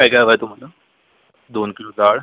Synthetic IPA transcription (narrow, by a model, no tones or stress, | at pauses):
kajkajʋajt̪um̤ala | d̪onkilod͡zaɽ